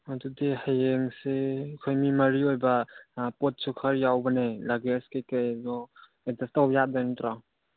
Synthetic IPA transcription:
adudihajeŋsekʰojmimɐɾiojbapɔt̚sukʰəɾjawbɐnelaɡeskajkajdɔ | edastawpjat̚dajntɾa

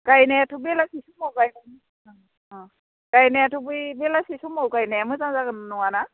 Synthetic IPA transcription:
kajnɛatʰubɛlasisumɔwkajna | kajnɛjatʰubujbɛlasisumɔwkajnajamɯzãzaɡɯnnɔwana

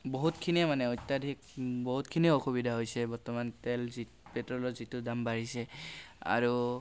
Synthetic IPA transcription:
boɦutkʰiniamanɛojtːadʱikboɦutkʰinioxubidʱaɦojsɛbɔɹtɔmantɛlzi | petɹɔlɔzitʊdambaɹisɛa̰ɹu

